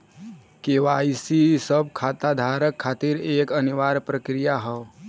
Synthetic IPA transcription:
keːʋaːisisəb̚kʰaːt̪ad̪ʱaːɾəkʰːaːt̪iɾeːkəniʋaːɾpɾəkɾijaɦɛ

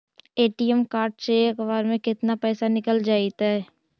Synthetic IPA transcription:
eːʈijɛmkaːɾʈ̚t͡ʃeɐkʋaːɾmẽkɪt̪napɛːsanɪkəld͡ʒaːit̪aɦɛ

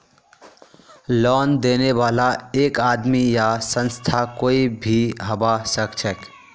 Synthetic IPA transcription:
lɔːnd̪eːneʋaːlaeːkaːd̪mijasə̃nst̪ʰakoːibʱiɦəbasəkt͡ʃʰək

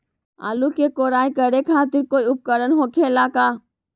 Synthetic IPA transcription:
a̰ːlukekoːɾaːikəɾekʰaːt̪ɪɾkoːiʊp̚kəɾənɦokʰelaːkaː

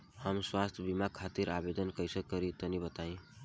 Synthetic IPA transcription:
həmswast̪ʰjbimakʰːat̪iɾabed̪ənkəjsəkːʌɾit̪ənibət̪aĩ

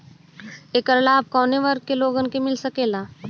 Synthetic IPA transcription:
eːkəɾlaːb̚kɔːneʋəɾ̚keloːɡənkemɪlsɐkeːlaː

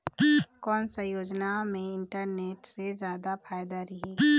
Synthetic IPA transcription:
kɔːnsajoːd͡ʒnamẽɪɳʈəɾneːʈsezjaːd̪apʰaːjd̪aɾɛɦɛː

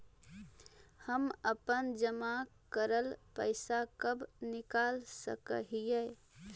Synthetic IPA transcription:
həməpənd͡ʒəmakəɾəlpəɪsakəbnɪkalsə̰kə̰ɦijə

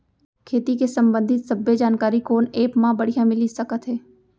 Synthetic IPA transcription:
kʰeːt̪ikesɐ̃mbə̃nd̪ʱɪt̪sɐbːed͡ʒaːnkaːɾikoːneːpmãbɐɽ̤ijãmɪlisɐkət̪ɦɛː

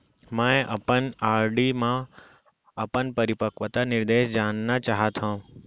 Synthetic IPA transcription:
mãʔɐ̰pənaːɾɖimã | ɐpənpɐɾɪpəkʋət̪anɪɾd̪eːʃd͡ʒaːnːat͡ʃaːɦat̪ʰɦã

